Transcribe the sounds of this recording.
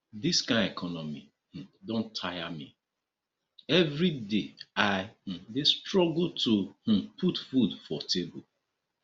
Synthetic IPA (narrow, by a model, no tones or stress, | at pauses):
diskãɪ̃nɛkʰɔnɔmi | h̩dõntʰajami | ɛvɾideaɪh̩destɹɔɡultʰoh̩pʰutfudfɔtʰebo